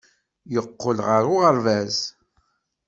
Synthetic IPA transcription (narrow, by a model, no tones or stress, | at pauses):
jəqːolʁəɾʊʁəɾvæz